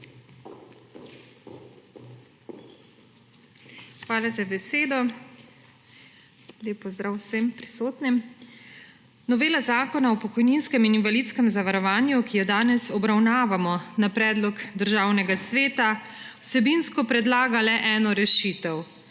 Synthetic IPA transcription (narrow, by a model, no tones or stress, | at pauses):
xʋaːlazabɛseːd̪ɔ | leːpɔzd̪ɾaːwsempɾisoːt̪nim | nɔʋeːlazaːkɔnaɔpɔkɔjninskɛmininvalit̪skɛmzaʋaɾɔʋaːnjukijɛd̪aːnɛsɔbɾawnaːʋamɔnapɾɛːd̪lɔkd̪əɾʒaːwnɛɡasʋeːt̪a | wsɛbinskɔpɾɛd̪laːɡalɛʔɛːnɔɾɛʃiːt̪ɛw